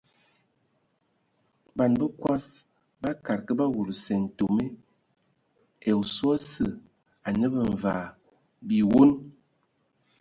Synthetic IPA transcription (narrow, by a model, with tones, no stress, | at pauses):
ba˨nbə˦kwa˦s | ba˦ka˨ɾkə˦ba˦wu˨lu˨sɛ˨n̩˨to˨me˦ | ɛ˨u˨swa˦sə˨ | a˨nə˦bə˨ɱ˨va˨ | bi˨wo˦n